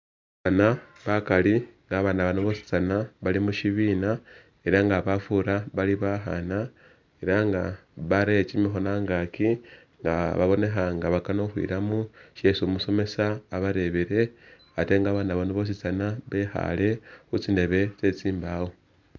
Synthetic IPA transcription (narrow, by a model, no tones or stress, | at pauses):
ana | βakaliŋɡaːβaːnaβanoβosi̥t͡sanaβalimuʃiβiːna | e̞ɾaŋɡaβafuɾaβaliβaxa̰na | e̞ɾaŋɡaβaɾeet͡ʃimixo̞naŋɡaki | ŋɡaβa̰βo̞ne̞xaŋɡaβakanoxwḭɾamuʃesumuso̞me̞saːβaɾe̞βeɾe̞ | ate̞ŋɡaːβaːnaβanoβo̞s̬it͡sanaβexa̰le̞xut͡sinde̞βe̞t͡se̞t͡siːmbawo̞